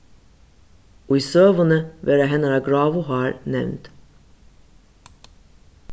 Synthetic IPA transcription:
oːiːsøːʋənəʋʔeːɾæɦɛnəɾɑːɡɹɑːʋʊhɑːɹnɛ̰ʋnt̪

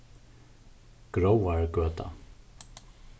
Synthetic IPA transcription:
ɡ̥ɾowaɹɡøːt̪ʰa̰

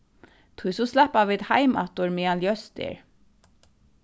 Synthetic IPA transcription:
t̪ʰujsuslɛhpaviːt̪hajma̰t̪ʊɹmianljœst̪ɪ̰ɹ

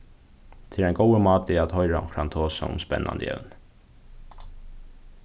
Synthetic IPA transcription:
t̪ʰɪlɛjnɡɔwəmɑːt̪ɪat̪hɔʏɾaʊ̰kʰɾant̪ʰoːsa̰ʊ̰mspɛ̰nːa̰nd̪ə̰ɛ̰wn

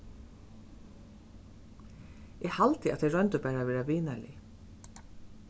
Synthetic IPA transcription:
ɛhalt̪ɪʔa̰t̪ʰɛɪɹœnt̪əpæːɾavɛːɾaviːnalɪ̰

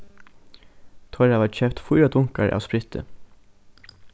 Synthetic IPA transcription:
t̪ʰɔɾaʋaːt͡ʃɛp̚t̪fʊjɾad̪ʊŋkaɹʔa̰ːʋspɾɪt̪ə̰

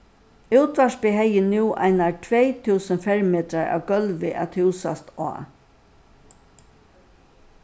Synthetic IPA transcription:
uwt̪ʋaʂpɪɦɛjɪnuwʔa̰ɪnaʈʰʋɛjt̪ʰuːsənfɛɹmeːt̪ɾaɹa̰ːwɡœlʋɪʔa̰t̪huwsa̰st̪a̰ː

